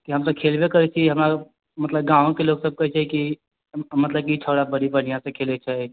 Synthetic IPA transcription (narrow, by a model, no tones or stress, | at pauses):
kiɦəmsəb̚kʰelbekəɾɛt͡ʃʰiɦəmɾa | mət̪ləbɡãʋõkeloɡsəb̚kəɦɛt͡ʃʰɛki | mət̪ləb̚kiʈʰoɽabəɽibən̤ijãsẽkʰelet͡ʃʰɛ